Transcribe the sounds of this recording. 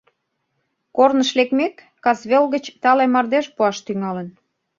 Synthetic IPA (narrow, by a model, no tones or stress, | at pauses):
kornəʃlekmekːɑsβelɣət͡ɕt̪ɑlemɑrd̪eʃpuɑʃt̪yŋɑlən